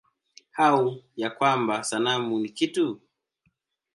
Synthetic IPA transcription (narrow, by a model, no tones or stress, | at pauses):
haujakwambasanamunikitu